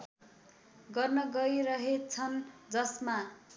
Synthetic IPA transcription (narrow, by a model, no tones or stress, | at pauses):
ɡʌrnʌɡʌjɾʌɦet͡sʰʌnd͡zʌsma